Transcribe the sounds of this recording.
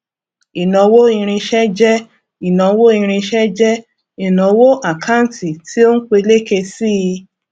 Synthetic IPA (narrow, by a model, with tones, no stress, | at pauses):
i˨nɔ̃˨˧wo˦i˧ɾ̃ĩ˧ʃɛ˦d͡ʒɛ˦ | i˨nɔ̃˨˧˦wo˦ĩ˧ɾ̃ĩ˧ʃɛ˦d͡ʒɛ˦ | i˨nɔ̃˨˧˦wo˦ʔa˨kã˦˨ti˨ti˦o˦n̩˦k͡pe˧le˦ke˧si˦i˧